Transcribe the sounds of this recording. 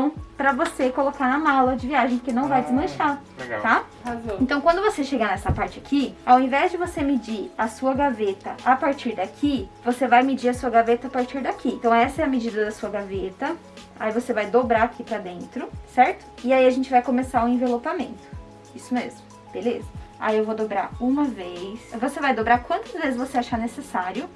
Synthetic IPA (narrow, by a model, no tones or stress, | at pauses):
ɐ̃w̃pɾɐvosekolokaɾnɐmalɐd͡ʒɪviaʒẽj̃poɾkenɐ̃w̃vajd͡ʒɪzmɐ̃ʃat̪a | hazɐ̃ẽt̪ɐ̃w̃kwɐ̃nd̪ʊvoseʃeɡɐnɛsɐpaɾt͡ʃɪakʰiawẽvɛzd͡ʒɪvosemed͡ʒiɾasuɐɡavet̪ɐʔapaɾt͡ʃiɾd̪akʰivosevajmed͡ʒiɾɐsuɐɡavet̪ɐːpaɾt͡ʃiɾd̪akʰiẽnt̪ɐ̃w̃ɛsɐɛɐmɪd͡ʒid̪ɐd̪ɐsuɐɡavet̪ɐ | a̰ivosevajd̪obɾaakʰipɾɐd̪ẽnt̪ɾʊsɛɾt̪ʊ̥ɪaiaʒẽnt͡ʃɪvajkõmesaʊẽvelopamẽnt̪ʊ̥ | isʊmezmʊ | b̥elezɐa̰iewvod̪obɾa̰ɾũmɐvejsvosevajd̪obɾaɾkwɐ̃nt̪ɐzvezɪzvoseaʃaɾnesesaɾjʊ